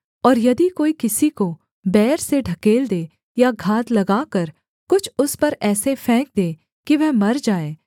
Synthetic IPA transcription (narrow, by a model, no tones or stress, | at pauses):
ɔːɾjɐd̪ikoːikɪsiko | bɛːɾseɖʱɐkeːld̪eː | jaɡʱaːd̪lɐɡaːkɐɾ | kʊt͡ʃʰʊspɐɾɛːsefʰɛ̃ːk̚d̪eː | kiʋɛɦmɐɾd͡ʒaːeː